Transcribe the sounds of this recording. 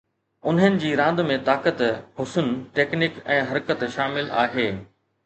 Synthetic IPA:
ʊnɦənɪ̆d͡ʑiːɾãːnd̪mẽt̪aːkət̪hʊsʊnʈeːknɪkɛ̃ːɦɐɾkət̪ʃaːmɪla̰ːɦeː

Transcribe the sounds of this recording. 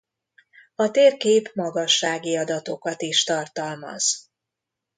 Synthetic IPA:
ɒt̪eːrkeːpmɒɡɒʃːaːɡiɒd̪ɒt̪o̞kɒt̪iʃt̪ɒrt̪ɒlmɒ̰z̥

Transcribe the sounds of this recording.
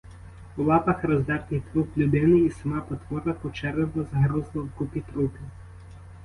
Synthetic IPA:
ulˠɑpɐxrɔzd̪ɛrt̪ɪjt̪ɾuplʲʊd̪ɪnɪisɐmɑpɔt̪ʋɔɾɐkɔt͡ʃɛrnɔbɔzɐɦɾuzlˠɐwkupʲit̪ɾupʲɪ

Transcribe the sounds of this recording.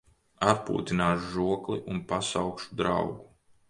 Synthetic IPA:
aɾpṵːt̪inaːʃuʒuɔklˠiʔunpasawkʃu̥d̪ɾa̰wɡu

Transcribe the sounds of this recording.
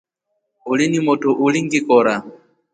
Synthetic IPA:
ulinimɔtɔʔuliŋɡikɔɾa

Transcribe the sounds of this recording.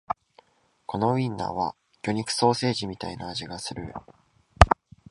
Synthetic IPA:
ko̞no̞ĩnːa̰βa | kʲo̞ɲ̟ikɯ̟̥so̞ːse̞ːʑimʲit̪ainaːʑiɡasɨɾɯ̟̰

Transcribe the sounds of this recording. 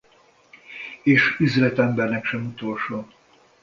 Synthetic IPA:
eːʃyzlɛt̪ɛmbɛrnɛkʃɛmut̪o̞lʃoː

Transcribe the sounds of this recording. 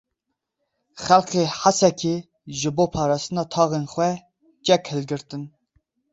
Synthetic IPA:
χælqeːħasɛkʲʰi | ʒɨboːpʰɑːɾɑːst̪ɨnɑːt̪ʰɑːɣenχʷwɛ | t͡ʃɛkhɨlɡɨɾt̪ɨn

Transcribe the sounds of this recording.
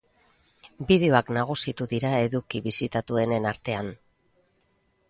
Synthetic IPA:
bið̞e̞o̞aknaɣ̞usit̪uðiɾae̞ðukiβisit̪at̪ue̞ne̞naɾt̪e̞an

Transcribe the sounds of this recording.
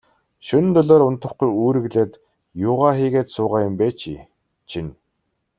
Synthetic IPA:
ʃɵn̆t̪ɵɮoːɾʊnt̪ə̆χqʊjuːɾɘ̆ɣɮeːt̪ | jʊːʁaːχiːɣeːt̪sʊːʁaːjʊmpeːt͡ɕʰḭː | t͡ɕʰin

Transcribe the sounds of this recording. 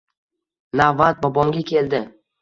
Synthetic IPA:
navːat̪̚bɒbɒŋɡʲakʲʰe̞ld̪ɪ

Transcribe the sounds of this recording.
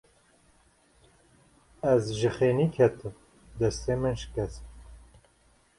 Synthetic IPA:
ɛzʒɨxeːniːkʰɛt̪ɨm | d̪ɛst̪emɨnʃkɛs

